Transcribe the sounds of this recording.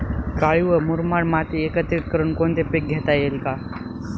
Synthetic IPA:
kaɭiʋəmuɾmaɽmat̪iekət̪ɾiʈ̚kəɾuːnkont̪epek̚ɡʱet̪ajelka

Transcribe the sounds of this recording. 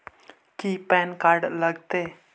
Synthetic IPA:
kipɛnkaɾɖləɡt̪e

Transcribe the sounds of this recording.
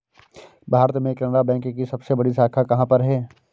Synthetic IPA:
bʱaːɾt̪mẽkɛnɾabɛ̃ːŋkkisɐbsebɐɽisaːkʰakɐɦãpɐɾɦɛː

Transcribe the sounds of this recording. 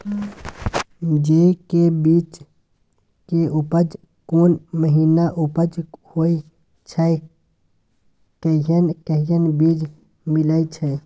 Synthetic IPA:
d͡ʒekebiːt͡ʃ | keʔupəd͡ʒ | koːnməɦiːnaʔʊpəd͡ʒhoːi | t͡ʃʰə | kəjənkəɦijənbiːd͡ʒ | mɪlait͡ʃʰə

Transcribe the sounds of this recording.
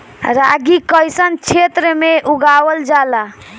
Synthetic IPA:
ɾaɡikəjsənt͡ʃʰet̪ɾəmeʔuɡawəld͡ʒala

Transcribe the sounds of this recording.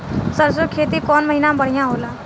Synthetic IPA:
səɾsokʰeːt̪ikɔːnməɦiːnãbəɽ̤ijãɦoːlaː

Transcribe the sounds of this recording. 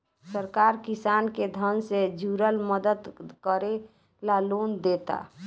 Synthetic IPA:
səɾkaɾkisanked̪ʱənsed͡ʒʱuɾəlməd̪əd̪kəɾe | lalond̪et̪a̰

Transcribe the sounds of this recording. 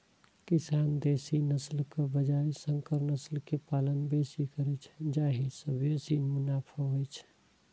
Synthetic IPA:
kisand̪esinəslkebəd͡ʒaesəŋkəɾnəslkepalənbesikəɾɛt͡ʃʰd͡ʒaɦisəbʱjosinmʊnapʰəɦojt͡ʃʰ

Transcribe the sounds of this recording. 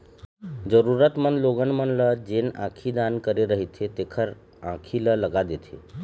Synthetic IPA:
d͡zəɾuɾət̪mənloɡənmənləd͡ʒenã̰kʰid̪ankəɾeɾəɦit̪ʰet̪ekʰəɾ | ã̰kʰilələɡad̪et̪ʰḛ

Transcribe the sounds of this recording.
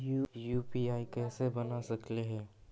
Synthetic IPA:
jujuːpiːaːikɛːsebɐnasɐkleɦɛ̃ː

